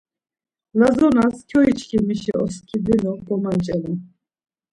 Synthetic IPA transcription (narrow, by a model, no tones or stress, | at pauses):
lazɔnaskʲʰɔit͡ʃʰkʰimiʃɛ̰ʔɔ̰skʰid̪ɛnɔb̪ɔmant͡ʃʼɛli